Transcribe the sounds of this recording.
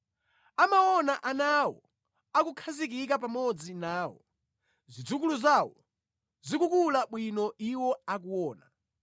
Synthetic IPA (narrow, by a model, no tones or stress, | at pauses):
amawɔnaʔanawɔ | akukʰazik̬ik̬apamɔd͡zinaːwɔ̰ | zʷid͡zuk̬uluzawɔ | zikukulaɓwinɔʔiwɔak̬uwɔːna